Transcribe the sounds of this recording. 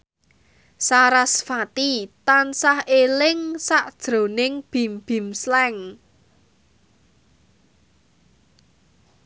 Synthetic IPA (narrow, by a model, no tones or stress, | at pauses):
saɾasfat̪it̪ansahelɪŋsaʔd̥ʒ̥ɾo̤nɪŋb̥i̤mb̥i̤mslɛŋ